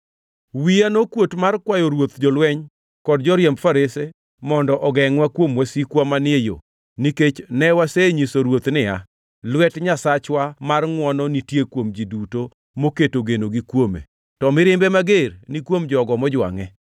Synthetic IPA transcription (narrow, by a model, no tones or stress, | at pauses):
wianokwotmarkwajɔɾwot̪d͡ʒɔlwɛɲ | kɔd̚d͡ʒɔɾjemfaɾese | mɔndɔʔɔɡɛŋwakwomwasikwamanɪejo̰ | niket͡ʃnɛwaseɲisoɾwot̪nɪa̰ | lwɛtɲasat͡ʃwamarŋwɔnɔnitjekwomd͡ʒiduto | moketoɡenoɡikwomḛ | tɔmɪɾɪmbɛmaɡeɾnikwomd͡ʒɔɡɔmɔd͡ʒwa̰ŋɛ